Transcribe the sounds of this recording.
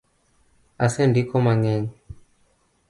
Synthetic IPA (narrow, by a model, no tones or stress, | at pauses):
asɛndikɔmaɲɛɲi